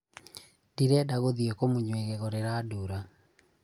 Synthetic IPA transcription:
d̥iɾɛdaɣoðiokomuɲweɣeɣɔɾeɾaduɾa

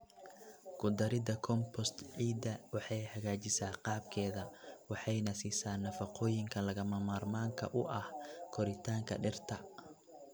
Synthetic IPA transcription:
kʰʊd̪ɐɾɪd̪ɐkʰɔmpʰɔst̪ʕiːd̪ɐwɑħɑjhɐɣaːt͡ʃɪsaːqɑːb̚kʰɛːðɐwɑħɑjnɐsisaːnːɐfɑqʰɔːjɪŋkʰɐlɐɣɐmɐmaːrmaːŋkʰɐ̰ʔʊʔɐhkʰɔɾɪt̪ʰaːŋkʰɐ̰ɖɪrt̪ʰɐ

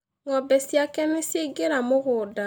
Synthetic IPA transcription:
ŋɔbɛsiakɛnesjeɡeɾamʊɣʊda

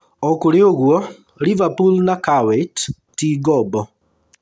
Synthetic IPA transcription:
ɔkoɾeoɣwɔ | ɾivapulnakawɛtː | iɡɔbɔ

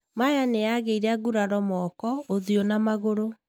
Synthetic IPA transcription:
majaneaɣeiɾaɡuɾaɾɔmɔkɔoðionamaɣoɾo

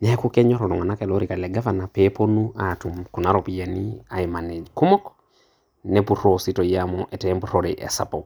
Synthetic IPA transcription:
nɛɛkukɛɲɔɾɔlɔŋanakɛloɾikalɛɡavanapɛponuatumkunaɾɔpiania̰imanɛd͡ʒkumɔk | nɛpuɾositɔjamɔʔɛtɛmpuɾoɾiʔɛ̰sa̰pɔ

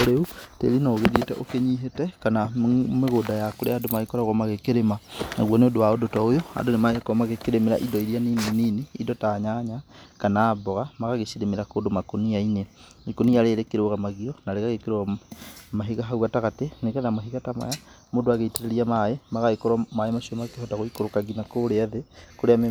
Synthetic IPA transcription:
oɾeutḛɾinaoɣedetɛʔo̰keɲiɦetɛkanameɣoːdajakoɾeadomaikoɾaɣɔmaɣekeɾemana̰ɣwɔneodowaodotɔojoa̰ndonemaɲakɔmaɣekeɾemiɾa̰ʔidɔiɾjanineniniidɔtaɲaɲakanaːbɔɣamaɣaɣeʃiɾemeɾakodomakoniaine | ikonijaɾeːɾekeɾoɣamaɣiɔnaɾeɣaɣekeɾoɣamaɦiɣaɦauɣataɣateneɣeðamoɦiɣatama̰ja | modoaɣeiteɾeɾiamaemaɣaekoɾwamaemaʃomakehotaɣoikoɾokaɣinakoɾeaðekoɾeam

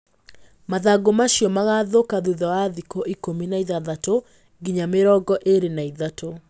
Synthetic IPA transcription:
maðaɡomaɕijɔmaɣaðokaðuðɔwaðikoʔikominaiðaðato | ɡiɲameɾɔɡɔʔeɾenaiðato

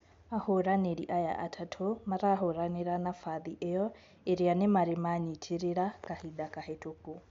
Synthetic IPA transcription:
ahʊɾaneɺiʔaja̰ʔatʰatʰomaɾaɦʊɾaneɾanafaðiʔejɔ | eɾianɪmaɾɪmaɲitʰiɾiɺakahidakʼahetʰoko

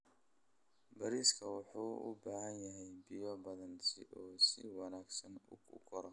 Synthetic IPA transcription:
bɐɾiːskʰɐwɑħuːʊ̰baːhɐnjɐɦɛjbɪjɔbɐðɐnsʰɪ̰ʔɔːsɪwɑnaːɡsɐnʊʊkʰɔɾɐ

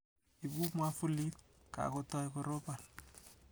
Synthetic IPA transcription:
ibumwafulit̚ | ka̰kotɔjkoɾopal

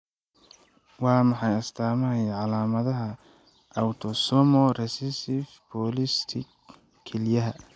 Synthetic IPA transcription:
wɑːmɑħɑjɐst̪ʰaːmɐɐjʕɑlaːmɐðɐɦɐ | ɐwt̪ʰɔsɔmɔrɛsɪsɪfbɔlɪst̪ʰɪ | kʰːɛljɐɦɐ

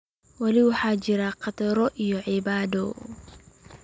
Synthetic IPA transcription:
wɑlɪwɑħɑːt͡ʃɪɾɐqɑt̪ɐɾɔʔijɔʕɪbaːd̪ɔ

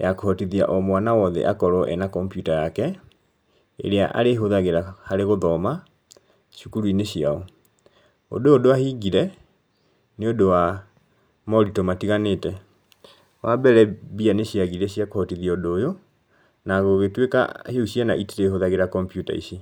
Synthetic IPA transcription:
jakohɔtiðia̰ʔɔmwanawɔðɛ̰ʔakɔɾɔʔɛ̰nakɔmpjutajakɛ | ḛɾea̰ʔa̰ɾeɦoðaɣeɾahaɾeɣoðɔma | ʃukuɾuineɕia̰ɔ | o̰doːdoahiɡiɾɛ | neodowa | mɔɾitɔmatiɣaneːtɛ | wabɛɾɛbianeɕiaɣiɾɛɕiakohɔtiðiaodojo | naɣoɣetweka̰heuɕianaʔiteɾeɦoðaɣeɾakɔmpjuta̰ḭɕi

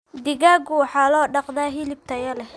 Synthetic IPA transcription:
d̪ɪɣaːɡʊwħɑːlɔːɖɑqd̪aːɦɪlɪb̚t̪ʰɐjɐlɛ

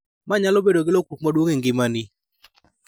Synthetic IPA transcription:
maɲalobedoɡɪlokuk̚madwoŋeŋɡɪmanɪ

